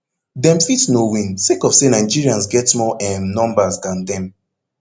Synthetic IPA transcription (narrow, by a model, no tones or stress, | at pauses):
dɛ̃mfitsnowĩnsekɔfsenaɪd͡ʒiɹiãnsɡɛtmɔʔɛ̃mnɔ̃mbasdãndɛ̃m